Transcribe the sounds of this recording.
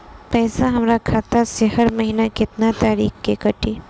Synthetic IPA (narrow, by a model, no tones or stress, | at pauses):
pɛːsaɦɐmɾakʰaːt̪asehɐɾmɐɦiːnakɪt̪nat̪aːɾiːxkekɐʈʰiː